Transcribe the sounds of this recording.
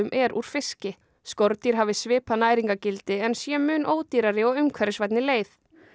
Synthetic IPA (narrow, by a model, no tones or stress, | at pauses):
ʏmʔɛɾʔṵɾ̥fɪscɪ | skɔɾt̪iɾ̥ɦaːvɪsvɪːpanaːjɾiŋkacɪlt̪ɪɛnsjɛmʏːnʔoːwt̪iɾaɾɪɔɣʏmkʰvɛɾɪsvajt̪nɪleːjθ